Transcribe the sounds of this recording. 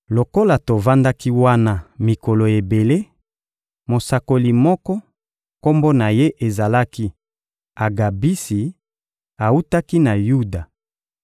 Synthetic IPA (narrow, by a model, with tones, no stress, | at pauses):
lo˨ko˦la˨to˨va˦nda˦ki˦wa˦na˨mi˨ko˨lo˨e˨be˨le˦ | mo˨sa˨ko˨li˨mɔ˦kɔ˦ | ko˦mbo˦na˨je˦ʔe˨za˨la˦ki˦ | a˨ɡa˨bi˦si˨ | a˨u˦ta˦ki˦na˨ju˦da˨